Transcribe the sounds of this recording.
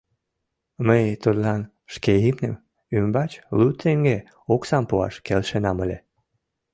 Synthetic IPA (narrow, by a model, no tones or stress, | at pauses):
məjt̪ud̪lɑn | ʃkeimnəm | ymbɑt͡ɕlut̪eŋɡe | oksɑmpuɑ̰ʃkelʃenɑməlʲe